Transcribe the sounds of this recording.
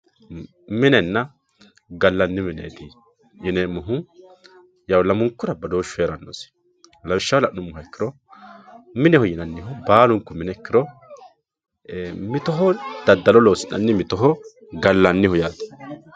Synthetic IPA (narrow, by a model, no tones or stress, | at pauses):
mɪnɛnːɐ | ɡɐlːɐnːɪmɪnḛːd̪ɪ | jɪnɛmʊɦʊ | jɐwlɐmʊŋkːʊɾɐbɐd̪oːʃːʊeːɾɐnːoːs | lɐwɪʃːɐwlɐʔnʊmːʊɦɐɪkːɪɾɔ | mɪnɛhɔjɪnɐnːɪɦɔbaːlʊŋkːʊmɪnɛɪkːɪɾɔ | mɪt̪ɔɦɔd̪̥ɐd̪ːɐlɔloːsɪnːɐ̰nːɪmɪt̪ɔɦɔ | ɡɐlːɐnːɪhɔjaːt̪ɐ̥